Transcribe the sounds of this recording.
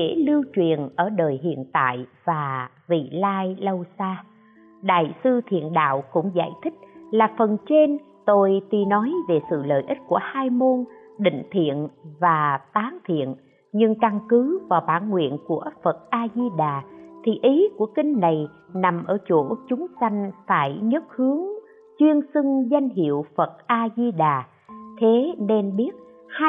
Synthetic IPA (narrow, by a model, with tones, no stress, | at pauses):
kḛ˧˩lɨ˧wt͡ɕwi˨ənʔəː˧˩ɗəː˨˩jɦḭ˧˨ənt̪a̰ː˧˨jvaː˨˩ | vḭ˧˨laː˧jlə˧wsaː˧ | ɗa̰ː˧˨jsɨ˧t̪ʰḭ˧˨ənɗa̰ː˧˨wkʊ̰˧˥ŋ͡mza̰ː˧˩jt̪ʰï˦˥k̟̚laː˨˩fə˨˩nt͡ɕe˧n | t̪o˧jt̪i˨˩nɔ˨˦jve˨˩sɨ̰˧˨ləː˨jʔi˦˥t̚ku˧˩əhaː˧jmo˧n | ɗḭ̈˧˨ŋ̟t̪ʰḭ˧˨ənvaː˨˩t̪aː˨˦ŋt̪ʰḭ˧˨ən | ɲɨ˧ŋka˧ŋkɨ˨˦vaː˨˩wɓaː˧˩nŋwḭ˧˨ənku˧˩əfə˨˩t̚ʔaː˧zi˧ɗaː˨˩t̪ʰi˨˩ʔi˨˦ku˧˩əkï˧ŋ̟na˨˩j | na˨˩mʔəː˧˩t͡ɕo˧˩t͡ɕʊ˨˦ŋ͡msa˧jŋ̟faː˧˩jɲə˦˥t̚hɨ˨˦əŋ | t͡ɕwi˧ənsɨ˧ŋza˧jŋ̟ɦḭ˧˨əwfə˨˩t̚ʔaː˧zi˧ɗaː˨˩ | t̪ʰe˨˦ne˧nɓi˦˥ət̚ | ha˧